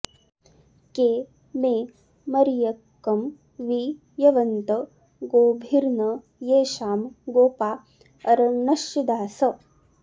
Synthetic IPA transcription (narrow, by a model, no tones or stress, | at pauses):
keː | meː | mɐɾijɐkːɐm | ʋi | jɐʋɐnt̪ɐ | ɡoːbʱiɾnɐ | jeːʃaːmɡoːpaː | ɐɾɐnɐʃjɐd̪aːsɐ